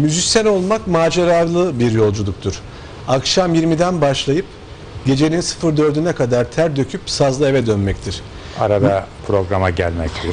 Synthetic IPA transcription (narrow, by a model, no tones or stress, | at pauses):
myzicsʲæno̞lˠmakmaːd͡ʒeɾalˠɯbiɾjo̞lˠd͡ʒulˠuk̚t̪ʰuɾ̥ | akʃamjiɾmid̪ænbaʃlˠajɯp | ɟ̥e̞d͡ʒe̞nʲinsɯ̥fɯɾd̪ø̞ɾd̪ynɛkad̪aɾt̪ʰæɾd̪ø̞cʰypsazlˠae̞vɛd̪ønmɛct̪ʰiɾ̥ | a̰ɾad̪apʰɾo̞ɡɾamaɟælʲmɛct̪ʰiɾ